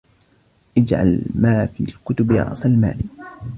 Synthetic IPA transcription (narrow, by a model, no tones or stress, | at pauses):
ʔɪd͡ʒʕa̰lmaːfḭːlkʊt̪ʊbjɑ̰ʔsˤɑlma̰ːlɪ